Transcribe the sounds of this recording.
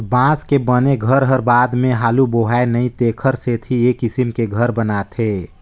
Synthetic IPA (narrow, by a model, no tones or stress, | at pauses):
bãːskebəneɡʱəɾɦəɾbad̪mẽɦaːluboɦaenəĩt̪ekʰəɾset̪ʰiekisimkeɡʱəɾbənat̪ʰe